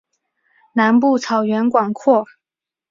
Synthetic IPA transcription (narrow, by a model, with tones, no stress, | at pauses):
na˧˥npu˥˩t͡sʰɑ˨˩ʊɥɛ˧˥nkwɑ˨˩ŋkʰwɔ˥˩